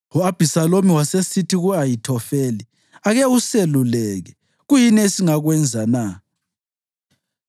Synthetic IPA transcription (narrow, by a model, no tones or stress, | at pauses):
ɔab̥ʱisalomiwasesitʰiɣuajitʰɔfeːli | aɣɛuselulɛɣɛ | ɣujinɛesiŋaɣwɛnd͡zʱana